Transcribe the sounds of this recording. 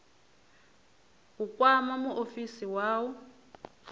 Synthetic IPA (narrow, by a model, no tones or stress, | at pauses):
ukʼwamamuʔofisiwaːwɔ